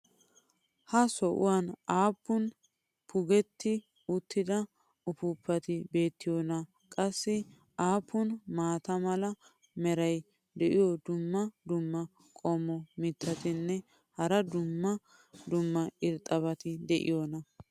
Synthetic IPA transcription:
hɐsɔʔʊ̰wanaːpːʊn | pʰʊɡɛt̪ːɪ | ʊt̪ːɪd̪ɐ | ʊpʊpːɐt̪ɪbe̞ːt̪ːɪjɔnɐ | kʼɐsːɪ | aːpːʊnmaːt̪ɐmɐlɐ | mɛɾɐj | d̪ɛʔɪjɔd̪ʊmːɐd̪ʊmːɐ | kʼɔmɔmɪt̪ʰːɐt̪ɪnːɛ | hɐɾɐd̪ʊmːɐ | d̪ʊmːɐʔɪɾt̪ʼɐbɐt̪ɪd̪ɛʔɪ̰jɔːnɐ

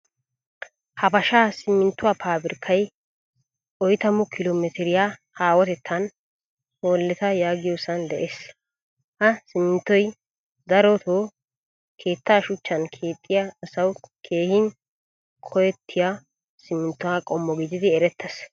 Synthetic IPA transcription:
hɐbɐʃaːsɪmːɪnt̪ːʊwaːpʰaːbɪɾkʰːɐj | ʔɔjt̪ɐmʊkʰɪloːmɛt̪ɪɾɪjahaːwɔt̪ɛt̪ʰːɐn | hoːlːɛt̪ɐjaːɡɪjosɐnd̪ɛʔeːs | hɐsɪmːɪnt̪ːɔj | d̪ɐɾɔt̪ʰoː | kʰe̞ːt̪ːaːʃʊt͡ʃːɐnkʰe̞ːt̪ʼːɪjaːsɐwkʰe̞ːhɪn | kʰɔjɛt̪ʰːɪja | sɪmːɪnt̪ːʊwaːkʼɔmːɔɡɪd͡ʒ̪ɪd̪ɪɛɾɛt̪ʰːɛs

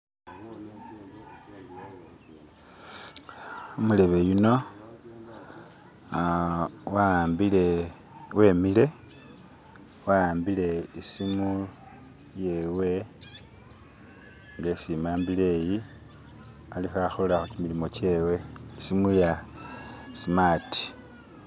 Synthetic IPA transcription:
omule̞βe̞juno̞ | wambile | we̞mile̞ | waaːmbile̞isimu | je̞we̞ | ŋɡesimaːmbile̞ːji | alixaxolaxucimilimo̞ce̞we̞isimuja | simaːti̥

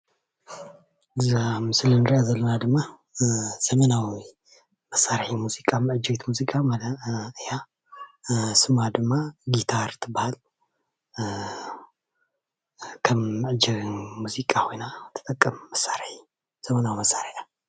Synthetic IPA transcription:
ɨzamɨsɨlɨnɾjazɐlːɐnad̪ɨmːa | z̥ɐmɐnawi | mɐsːaɾħimuzikʼamɨʕɨd͡ʒɨwit̪muzikʼamalɨja | sɨmad̪ɨmːaɡit̪ʰaɾt̪ʰɨbahal | kʰəːɨʕɨd͡ʒɛɣmuzikʼahʰojnat̪ʰɨ̥t̪ʼɐkʼːəmmɐsːaɾħi | z̥ɐmɐnawimɐsːaɾħa

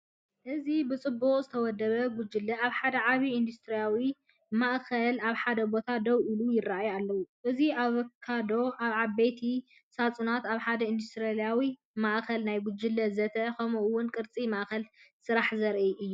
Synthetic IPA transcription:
ʔɨzibɨt͡sʼɨbːuχʼzɨt̪ʰɐwɔd̪ːɐβɐɡʊd͡ʒɨlːɐaβħad̪ɐʕaβiːnd̪ust̪ʰɾijawi | maʔkɐlaβħad̪ɐbo̞t̪ʰad̪ɐwʔɨlujɪraʔjalːɐwuʔɨziaβkʰːad̪o̞ʔaβʕaβejt̪ʰi | sat͡sʼunat̪aβħad̪ɐind̪ust̪ɾalijawi | maʔkʰɐlnajɡʊd͡ʒɨlːɐzɐt̪ʰɐkʰɐmuʔwːʊnkʼɨɾt͡sʼimaʔkɐlsɨɾaħzɐɾʔiʔɨjːu

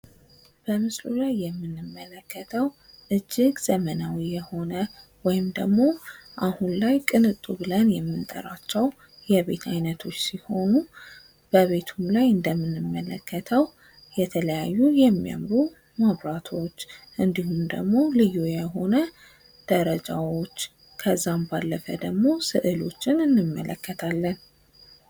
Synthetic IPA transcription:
b̥əmɨslulajːɛmːɨnːɨmːələkːət̪ʰəw | ʔɨd͡ʒːɪɡzəmənawijɛho̞nə | wɔjɪmd̪ə̰ɡmo̞ʔahunlajkʼɨnɨt̪ʼːuβɨlənjɛmːɨnt̪ʼə̰ɾat͡ʃːɛw | jɛβe̞̰t̪ʰajnət̪ʰo̞t͡ʃːsiho̞nu | b̥əβe̞t̪ʰumlajɨnd̪əmːɨnːɨmːələkːət̪ʰəw | jɛt̪ʰələjajːujɛmːia̰mɾu | maβɾat̪ʰo̞t͡ʃːʔɨnd̪ihumd̪ə̰ɡmo̞lɨjːujɛɦo̞nə | d̪̥əɾəd͡ʒawo̞t͡ʃː | kʰəzːambalːəfəd̪əɡmo̞sɨʔɨlo̞̰t͡ʃːɪnɨnːɨmːə̰ləkːət̪ʰalːən

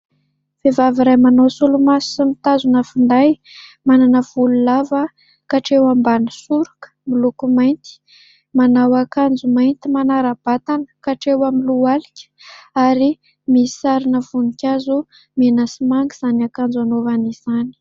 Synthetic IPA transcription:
v̥evaviɾajmanosulumasimit̪azunəfund̪aj | mananəv̥ululavə | kaʈ͡ʂewambanəsuɾukə̥milukumajnt̪i̥ | manawakand͡zumajnt̪imanaɾab̥at̪anə̥kaʈ͡ʂewamilualikʲə̥aɾi | misaɾinəvunikʲazu | menasimaŋɡiz̥anakand͡zanovaniz̥ani̥

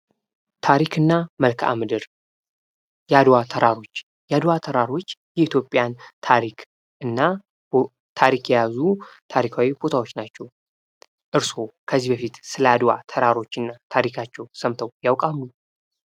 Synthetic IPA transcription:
t̪ʰaɾikʰɨnːaməlkʰʔa̰mɨd̪ɨɾ | jɛad̪wat̪ʰəɾaɾo̞t͡ʃː | jad̪wat̪ʰəɾaɾo̞t͡ʃːjɛit̪ʰjo̞pʼːjant̪ʰaɾikʰ | ɨnːa | t̪ʰaɾikjɛjazut̪ʰaɾikʰawibo̞t̪ʰawo̞t͡ʃːnat͡ʃːɛw | ʔɨɾso̞kʰəzːihbəfit̪sɨləad̪wa̰t̪ʰəɾaɾo̞t͡ʃːɨnːat̪ʰaɾikʰat͡ʃːɛwsəmt̪ʰəwjawkʼalːu

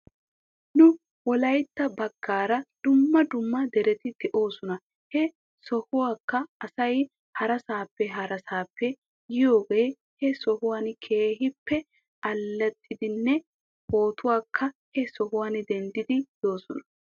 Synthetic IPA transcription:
nʊ | wɔlɐjt̪ːɐbɐɡːaːɾɐd̪̥ʊmːɐd̪ʊmːɐd̪ɛɾɛt̪ɪt̪ɪʔo̞ːsɔnɐ | hɛ | sɔhʊwaːkːɐɐsɐj | hɐɾɐsaːpːɛɦɐɾɐsaːpːɛ | jɪjo̞ːɡeː | hɛsɔhʊwaːnkʰeːɦɪpːɛ | ɐlːɛt̪ʼːɪd̪ɪnːɛ | ho̞ːt̪ʊwaːkʰːɐhɛsɔhʊwaːnd̪ɛnd̪ɪd̪ɪd̪̥o̞ːsɔnɐ̥

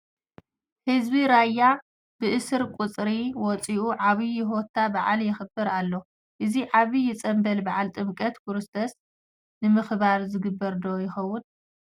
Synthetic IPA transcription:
hɨzbiɾajːa | b̥ɨʔɨsɨɾkʼut͡sʼɾiwɔt͡sʼiʔuʕaβijɪɦo̞t̪ʰːabaʕaljɪxɨbɨɾalːo̞ | ʔɨziʕaβijɪt͡sʼɐmbɐlbaʕalt̪ʼɨmkʼɐt̪kʰuɾɨst̪ʰos | nɨmɨxβaɾzɨɡɨbːɐɾd̪o̞jɪxɐwːʊn

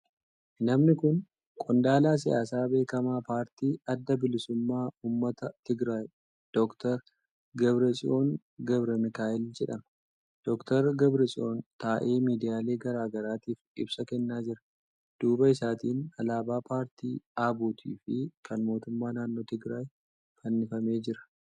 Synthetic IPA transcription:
nɐmnɪkʊn | kʼɔnd̪aːlaːs̬ɪjaːs̬aːbe̞ːkɐmaːpaːɾt̪iːɐd̪ːɐbɪlɪsʊmːaːʔuːmːɐt̪ɐt̪ɪɡɾaːj | d̪̥ɔkt̪ɐɾ | ɡɐbɾɛt͡ʃʼɪʔo̞ːn | ɡɐbɾɛmɪkaːʔɪld͡ʒɛᶑɐmɐ | d̪̥ɔkt̪ɐɾɡɐbɾɐt͡ʃʼɪo̞ːnt̪aːʔe̞ːmiːd̪ɪjaːle̞ːɡɐɾaːɡɐɾaːt̪iːfɪ̰bsɐkɛnːaːd͡ʒɪɾɐ̥ | d̪̥uːbɐɪsaːt̪iːnɐlaːbaːpaːɾt̪ʰḭːaːbuːt̪ʰḭːfɪkʰɐnmoːt̪ʊmːaːnaːnːo̞ːt̪ɪɡɾaːj | fɐnːɪfɐme̞ːd͡ʒɪɾɐ̥

